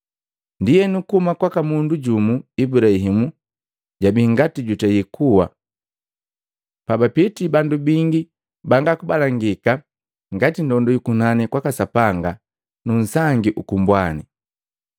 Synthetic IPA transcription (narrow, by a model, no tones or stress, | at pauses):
ndijɛnukumakwakamunduɟumuibuɾaɦimu | ɟabiŋɡatiɟutɛjikʰuwa̰ | pabapitibandubiŋɡi | baŋɡakubalaŋɡika | ŋɡatindɔndɔjukunanikwakasapaŋɡa | nun̩saŋɡiʔukumbwani